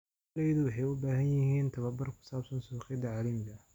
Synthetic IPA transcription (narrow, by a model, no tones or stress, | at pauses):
lɛjðʊwɑħɑjʊbaːɦɐnjɪhiːnt̪ʰɐβɐbɐrkʰʊ̥saːbsɐnsuːqɪd̪ɐʕɑːlɐmɪɣɐ